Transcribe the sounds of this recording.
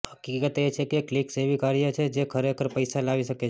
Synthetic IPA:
həkikət̪et͡ʃʰekeklikseʋikaɾijət͡ʃʰed͡ʒekʰəɾekʰəɾpəjsalaʋiʃəke

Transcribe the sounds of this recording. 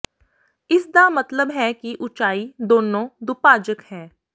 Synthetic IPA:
ɪsd̪amɐt̪ləbɦɛkiʔʊt͡ʃaːid̪oːnõːd̪ʊpaːd͡ʒəkhɛː

